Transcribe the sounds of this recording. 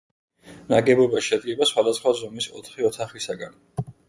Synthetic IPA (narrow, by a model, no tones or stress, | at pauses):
naɡɛbɔbaʃɛd̪̚ɡɛbasχwad̪asχwazɔmisɔ̰t̪ʰχiɔt̪ʰaχisaɡan